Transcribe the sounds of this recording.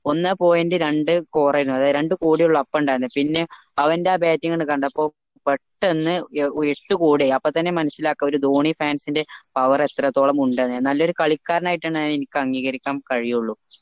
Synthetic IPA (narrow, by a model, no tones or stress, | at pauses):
o̞nːapo̞ːjendeɾe̞ɳɖɨkoːrɐjɾunːɐðaːɾe̞ɳɖɨkuːɽijuɭːɐɐpːouɳɖaːɾunːɐpinːe̞ | ɐʋɐndeabeːtːiŋːɐnkɐɳɖɐpːo̞ː | peʈːenːɨeʈːɨkuːɽiɐpːot̪ːɐnːe̞mɐnɐsːilaːkːɐo̞ɾud̪oːɳifaːnsinde̞pɐʋɐre̞t̪rɐt̪ːo̞ːɭɐmuɳɖenːɨenːɐlːɐo̞ɾukɐɭikːaːɾɐnaːjiʈːaːɳːaenikʲːɨɐŋɡiːɣɐɾikʲːaːmkɐɻijuɭːu